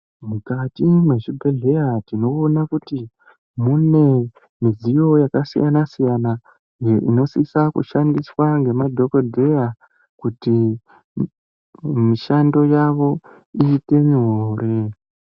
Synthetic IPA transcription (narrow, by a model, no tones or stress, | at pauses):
mukatimwe̞ʐibʱe̞ɮe̞jatino̞ːnakuti | mune̞ | mizijo̞jakasijʔanasijana | eʔino̞sisakṵʃandiswaŋɡe̞madʱo̞kodʱe̞ja | kuti | miʃando̞jaʋo̞ | iːte̞miɦoɾe̞